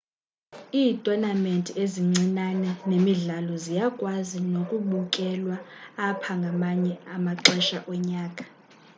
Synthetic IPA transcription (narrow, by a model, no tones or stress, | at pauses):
iːtʼɔnamentʼieziŋ͡ǀinanɛnemiɮalɔzijakʼwazinokʼuɓukʼɛlwaːpʰaŋɡʱamaɲɛamaǀɛʃaʔɔɲaːkʼḁ